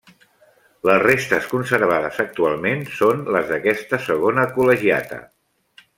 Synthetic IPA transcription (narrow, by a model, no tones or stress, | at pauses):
ləzrest̪əskunsəɾβ̞aðəzək̚t̪ualˠmensonləzðəkɛst̪əsəɣ̞onəkuləʒia̰t̪ə̰